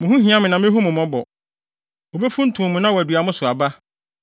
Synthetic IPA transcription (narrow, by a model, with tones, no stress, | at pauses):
mʊ̃˨ɦũ˦ɦĩ˦ã˦mɪ̃˨nã˨mɪ̃˦ɦu˦mʊ̃˨mɔ̃˦bɔ˨ | o˨be˦fũ˦n̩˦tʰʊ̃˨mʊ̃˨nã˦wɔ˨æ˨dɥa˨mʊ̃˦sʊ˨a˨ba˦